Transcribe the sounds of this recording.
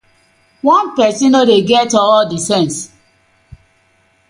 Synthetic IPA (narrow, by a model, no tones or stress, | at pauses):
wɔ̃npɛsĩnodeɡɛtɔɔdisɛ̃ns